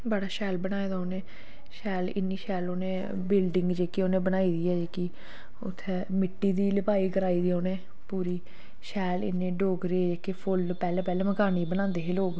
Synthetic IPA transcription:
bəɽaːʃɛːlbəñaːeːd̪aːoːneː | ʃɛːlɪ̰nːiːʃɛːloːnẽː | bɪlɖɪŋɡd͡ʒeːkioːnẽːbənaːiːd̪iːɛːd͡ʒeːki | ʊ̰t̪ʰːeːmɪʈːiːd̪iːləpaːiːɡəɾaːiːd̪iːoːnẽː | puːɾiː | ʃɛːlɪ̰nẽːɖoːɡɾeːd͡ʒeːkepʰʊlpɛːlɛ̃ːpɛːlɛ̃ːməɡaːniːbəñãːnd̪eːɦeːloːɡ

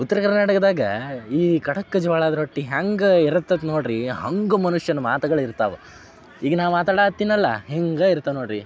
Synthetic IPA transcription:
ut̪ːɐɾɐkɐɾnaːʈɐkɐd̪aːɡɐiːkɐʈɐkːɐd͡ʒɐʋaːɭaːd̪ɐɾɦoʈːiɦaŋɡɐiɾɐt̪ːɐd̪noːɖɾiɦɐŋɡumɐnuʂjɐnɐmaːt̪ɐɡɐɭiɾt̪aːʋu | iːɡɐnaːʋmaːt̪aːɽaːt̪ːiːnːɐlːɐ̰ɦeŋɡɐiɾt̪aʋnoːɽɾi

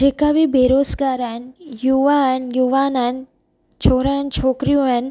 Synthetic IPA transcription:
d͡ʒeːkabɪbeːɾoːzɡaːɾaɦɪnjuːʋaɦənjuːʋaːnən | t͡ʃʰoːɾaɪnt͡ʃʰoːkɾijũɦən̆

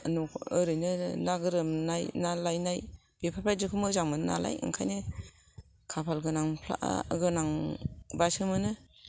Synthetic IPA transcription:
nɔɯɾɯjnɯnaɡɯɾɯmnajnalajnaj | b̥ipʰapʰajd͡ʒɯkʰɯmɯzaŋmɯnna̰la̰jɯ̰ŋkʰajnɯ | kʰapʰalɡɯnaŋpʰla̰ʔa̰ɡɯnaŋbasɯmɯnɯ

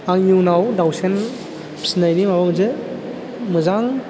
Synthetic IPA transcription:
aŋjuŋnawdawsen̥ʰ | snajnimabamɯzɯ | mɯzaŋ

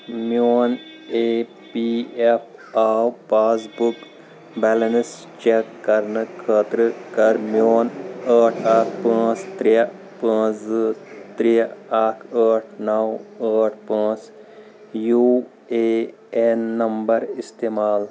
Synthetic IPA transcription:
mjoːn | eː | piepʰaːwpaːsbuk | bɛːlɐns | t͡ʃekːɐɾnɨkʰəːt̪ɾɨkɐɾmjoːnəːʈʰaːkʰpə̃ːst̪ɾiɐ | pə̃ːzt̪ɾiaːkʰəːʈʰnɐwəːʈʰpə̃ːs | juː | eː | enːɐmbɐɾist̪eːmaːl

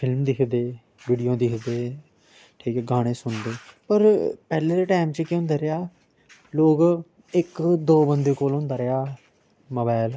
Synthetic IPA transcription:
pʰɪlmd̪ɪkʰd̪eː | ʋiːɖijõːd̪ɪkʰd̪eː | ʈʰiːkɛɡaːɽ̃eːsʊnd̪eːpəɾpɛːleːd̪eːʈaːmt͡ʃəkɪʊ̃nd̪aːɾejaː | loːɡ | ɪkd̪oːbənd̪eːkoːlʊ̃nd̪aːɾeaː | moːbaːl

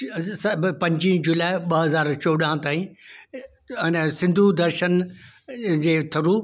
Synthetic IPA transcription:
sɐbpɐ̃ɲd͡ʑĩd͡ʑʊlaːɪɓɐɦɐzaːɾt͡ɕoːɗãt̪aːĩ | ɛːnsɪ̃nd̪ʱud̪ɐɾʃən | d͡ʑeːt̪ʰɐɾuː

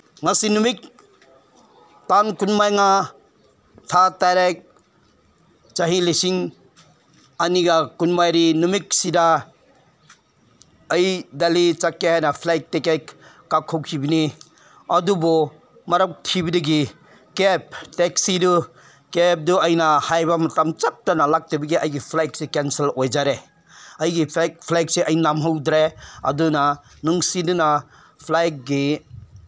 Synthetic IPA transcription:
ŋasinumik̚ | tankunmajŋa | tʰataɾek̚ | t͡ʃaɦilisiŋ | aniɡakunmajɾinumik̚sida | ɐjdalit͡ʃakːehajnapʰlajk̚tekejkː | akʰːɔk̚d͡ʒibini | ɐdubɔ | mɐɾɐk̚tʰibidɐɡi | kep̚tek̚sidu | kep̚duɐjnɐhajbɐmɐtamt͡ʃap̚tanɐlak̚tibɐɡiɐjɡipʰlajk̚sekenselojd͡ʒaɾe | ɐjɡikpʰlajk̚seʔɐjnamɦɐwdɾeɐ̰dunɐ | nuŋsidunɐ | pʰlajk̚ɡi

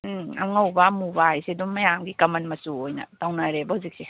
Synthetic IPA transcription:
a̰wŋawbamubajsedummɐjamɡikamanmɐsuojna̰tawnaɾebahuzik̚se

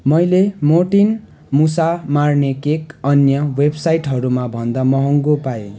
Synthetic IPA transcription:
mʌjlemoʈin | musamarnekekʌnjʌwebsajʈɦʌɾumabʱʌnd̪amʌɦʌŋɡopajo

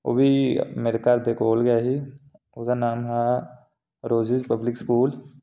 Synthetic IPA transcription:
o̰ːbʱimeːɾekaːɾd̪ekoːlɡjaɦi | ʊkanaːmɦɛ | ɾoːd͡ʒid͡ʒpəblɪkskuːl

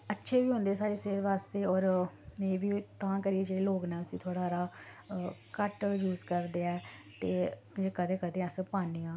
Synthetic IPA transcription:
ətːʃʰeːʋiːɦõnd̪eːsaːɽeːseːd̪ʋaːst̪eːɔːɾmeːʋiːt̪ãːkəɾieːd͡ʒeːɽeːloːknɛːʊsĩːt̪ʰoːɽaːɾaː | kəʈjuːzkəɾd̪eːɛːt̪eː | ekəd̪ẽːkəd̪ẽːəspaːneːãː

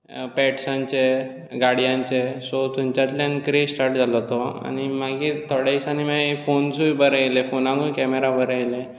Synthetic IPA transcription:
pɛʈsãɲt͡ɕe | ɡaɽijãɲt͡ɕesɔt̪umt͡ɕat̪ljãnkɾesʈaɾʈ̚d͡zʱalɔt̪ɔa̰ñimaɡiːt̪ʰɔɽesañimafonsujbəɾajlefonãŋɡujkɛmeɾabəɾajle

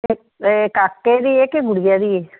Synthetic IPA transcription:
kaːkːed̪iːekeɡʊɽijad̪iːeː

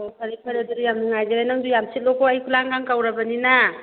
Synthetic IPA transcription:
ɔkʰaɾikʰaɾaduɾijamniŋajɡelajnaŋdujamsit̚lɔkʰɔajkʰulaŋɡaŋkawɾabanina

